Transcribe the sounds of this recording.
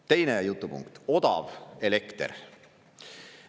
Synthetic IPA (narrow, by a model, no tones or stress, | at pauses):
t̪e̞jnejut̪ˑːupṵŋkt̪o̞d̪̥ɑ̰velekt̪ḛɾ